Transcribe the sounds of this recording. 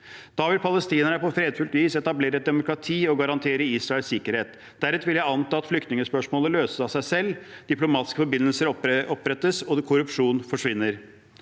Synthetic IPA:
d̪̥ɑːʋɪlpʰɑləst̪iːnəɳəpɔfɾeːd̪fʉlt̪ʋiːsɛt̪ɑbleːɾəɛt̪̚d̪ɛmʊkɾɑt̪ʰiːɔɡɑɾɑnt̪ʰeːɾəiːsɾɑɛlsɪkəɾheːt̪ | d̪̥æɾɛt̪ʋɪljæɪɑnt̪ɑːɑt̪flʏk̚t̪nɪŋəspœʂmoːləløːsəsɑsæɪsɛlːd̪̥ɪplʊmɑːt̪ɪ̥skəfɔɾbɪnːəlsəɾɔpɾɛt̪ːəsɔd̪kʰʊɾʉpʂuːnfɔʂʋɪnːəɾ

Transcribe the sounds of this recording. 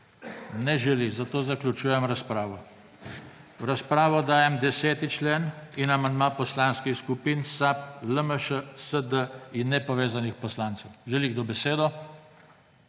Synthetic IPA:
nɛʒɛlizat̪oːzaklʲut͡ʃuːjɛmɾaspɾaːʋɔ | wɾaspɾaːʋɔd̪aːjɛmd̪ɛsɛːt̪it͡ʃleːninamand̪mapɔslanskixskupiːnsap̚ləməʃəsəd̪əinːɛpɔʋeːzanixpɔslaːnt̪sɔwʒɛliɡd̪obɛseːd̪ɔ

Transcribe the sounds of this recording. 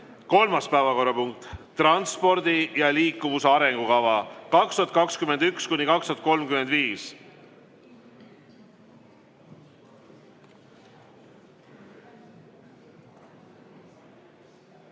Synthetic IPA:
ko̞lmɑspæevɑko̞rːɑpuŋk̚t̪t̪rɑnspo̞ɾd̪ijɑliːkːˑuvuseɑɾe̞ŋɡ̥ukɑvɑkɑkst̪uɑt̪kɑkskyme̞nd̪ykskunikɑkst̪uɑt̪̚ko̞lmkymend̪viːs

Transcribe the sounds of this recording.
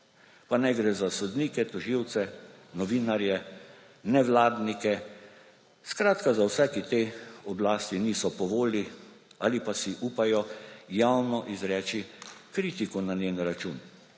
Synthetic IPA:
panɛɡɾɛːzasɔd̪niːkɛt̪ɔʒiwt̪sɛ | nɔʋiːnaɾjɛ | nɛʋlaːd̪nikɛ | skɾaːt̪kazawsɛkit̪eːɔblaːst̪iniːsɔpɔʋoːliaːlipasiʔuːpajɔjawnɔʔizɾɛːt͡ʃikɾiːt̪ikɔnaneːnɾat͡ʃuːn

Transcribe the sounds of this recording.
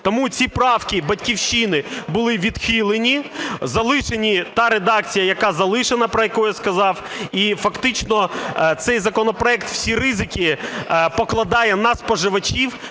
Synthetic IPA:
t̪ɔmut͡sʲipɾɑwkʲibɐtʲkʲiwʃinɪbʊlˠɪʋʲid̪xilˠenʲizɐlˠɪʃenʲit̪ɑɾed̪ɑkt͡sʲijɐjɐkɑzɐlˠɪʃenɐpɾɔjɐkɔjʊskɐzɑwifɐkt̪ɪt͡ʃnɔt̪sɛjzɐkɔnɔpɾɔɛkt̪w̥sʲiɾɪzɪkʲipɔklˠɐd̪ɑjɛnɐspɔʒɪʋɐt͡ʃiw

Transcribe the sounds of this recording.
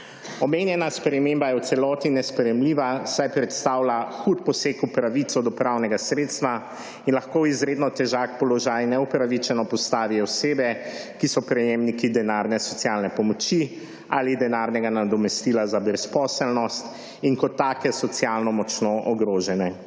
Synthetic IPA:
ɔmeːnjɛnaspɾɛmembajɛw̪sɛlɔːt̪inɛspɾɛjɛmliːʋasajpɾɛt̪st̪aːwlaxut̪̚pɔsekupɾaʋit̪sɔd̪ɔpɾawnɛɡasɾeːt̪st̪ʋa | inlaxkoizɾeːd̪nɔt̪ɛʒak̚pɔlɔʒaːjnɛupɾaʋit͡ʃɛnɔpɔst̪aːʋiɔseːbɛkisɔpɾɛjemnikid̪ɛnaːɾnɛsɔt̪sjalnɛpɔmɔt͡ʃi | alid̪ɛnaɾnɛɡanad̪ɔmɛst̪ilazabɾɛspɔːsɛlnɔst̪ | iŋkɔt̪ːaːkɛsɔt̪sjalnɔmɔt͡ʃnɔʔɔɡɾoːʒɛnɛ

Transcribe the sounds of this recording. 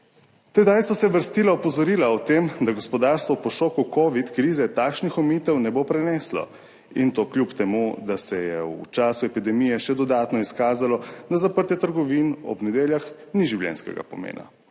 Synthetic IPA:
t̪ɛd̪ajsɔsɛʋəɾst̪iːlaɔpɔzɔɾiːlaɔt̪emd̪aɡɔspɔd̪aːɾst̪ʋɔpɔʃokukoːʋit̪kɾiːzɛt̪aːkʃnixɔmiːt̪ɛwnɛbopɾɛnɛːslɔ̰ | int̪oːklʲjupt̪ɛmud̪asɛjɛ̰ṵt͡ʃaːsuɛpid̪ɛmijɛʃɛd̪ɔd̪aːt̪nɔiskaːzalɔd̪azapəɾt̪ɛt̪əɾɡɔʋinɔ̰bnɛd̪eːljaxniʒiwljɛ̰nskɛ̰ɡa̰pɔmḛːnʔa̰

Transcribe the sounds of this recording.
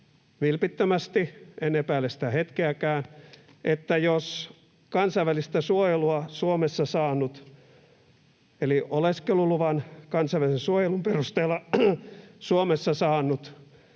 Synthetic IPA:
ʋilpit̪ːømæst̪ienːepæːlːesit̪æhet̪keækæːn | ʔet̪ːæjos | kɑnsɑʋʋælist̪æsuojeluɑsuomesːɑsɑːnːˑut̪ | eliʔoleskeluluʋɑnkɑnsɑiʋælisensuojelumperust̪eːlːɑ | suomesːɑsɑːnːut̪

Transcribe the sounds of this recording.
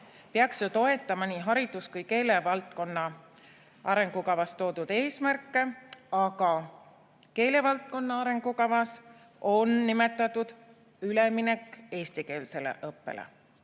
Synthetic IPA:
peɑksjot̪o̞e̞t̪ːˑɑmɑniɦɑɾid̪̥uskujke̞ːle̞vɑlt̪̚ko̞nːɑ | ʔɑɾe̞ŋɡ̥ukɑvɑst̪o̞ːd̪̥ud̪̥e̞ːsmærkːe̞ɑɡ̥ɑ | ke̞ːle̞vɑlt̪̚ko̞nːɑɑɾe̞ŋɡ̥ukɑvɑs | o̞nːime̞t̪ːˑɑt̪ːud̪̥ | ylemine̞kːe̞ːst̪ike̞ːlse̞lḛʔɤpːe̞̰lḛ

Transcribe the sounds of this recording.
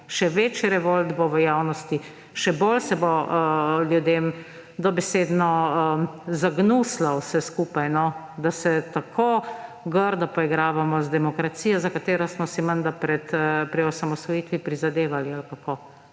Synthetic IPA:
ʃɛʋeːt͡ʃiɾɛʋolt̪boʋəjaːwnɔst̪i | ʃɛbolsɛbo | ljud̪eːm | d̪ɔbɛseːd̪nɔəzaɡnuslawsɛskuːpajnɔ | d̪asɛt̪akʰo | ɡəɾd̪ɔpɔiɡɾaːʋamɔzd̪ɛmɔkɾat̪siːjɔzakat̪eːɾɔsmɔsimənd̪apɾɛt̪pɾiɔsamɔsʋɔjiːt̪ʋipɾizad̪eːʋalialkako

